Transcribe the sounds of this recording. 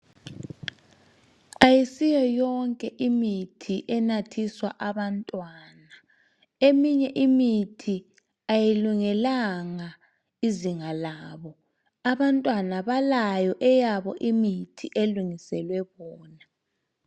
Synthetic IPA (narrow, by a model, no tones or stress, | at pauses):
ajisijɔjɔŋkʼɛʔimitʰiʔɛnatʰiswa̰ʔaβantʼwaːna | emiɲɛʔimitʰi | ajiluŋɛlaŋa | iziŋalaːβɔ | aβantʼwanaβalajɔʔɛjaβɔ̰ʔimitʰiʔeluŋisɛlwɛβɔːna